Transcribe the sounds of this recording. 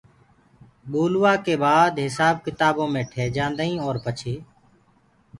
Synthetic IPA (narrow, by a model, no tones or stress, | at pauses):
ɓuːlʊːaːkeːbaːd̪ɦɪsaːb̚kɪt̪aːbõːmẽːʈʰeːd͡ʒãːnd̪ĩːoːɾpət͡ʃʰeː